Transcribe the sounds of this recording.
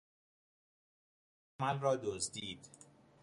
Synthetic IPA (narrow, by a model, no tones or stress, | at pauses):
mælrɒːd̪ozd̪iːd̪̥